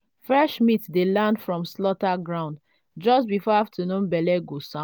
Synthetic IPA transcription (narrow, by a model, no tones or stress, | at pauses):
fɹɛʃmitdelãndfɹɔ̃mslɔtaɡɹãʊ̃nd | d͡ʒɔstbifɔaftʰənũnbɛlɛɡosã